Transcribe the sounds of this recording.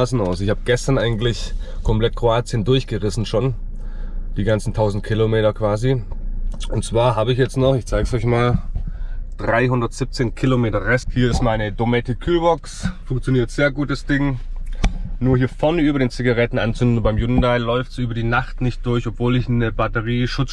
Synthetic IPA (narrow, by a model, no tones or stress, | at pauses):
sn̩aʊsɪçhaːbəɡ̥ɛstɐnʔaɪɡn̩tlɪçkʰɔmpl̥ɛt̚kʁ̥oaːt͡sjəndʊɐçɡ̥əʁɪsn̩ʃoːn | d̥iːɡant͡sn̩tʰaʊzn̩t̚kʰilomeːtɐkv̥aːzi | ʊntt͡sv̥aːɐɦaːbəɪçjɛt͡stnɔχɪçt͡saɪɡsɔʏç̬maːl | d̥ʁaɪɦʊndɐtz̥ɪp̚t͡seːnkʰɪlomeːtɐʁɛsthiːɐɪstmaɪnədomɛtɪkʰːyːlbɔksfʊŋkt͡sjoniːɐtz̥eːɐɡuːt̚d̥asd̥ɪŋ | nuːɐhiːɐfɔɐnəyːbɐdeːnt͡siɡaʁɛtn̩ant͡sʏndn̩baɪmjʊnn̩daɪlɔʏftsʔyːbɐdiːnaχtnɪçt̚d̥ʊɐçɔpv̥oːlɪçnəb̥atəʁiːʃʊt͡s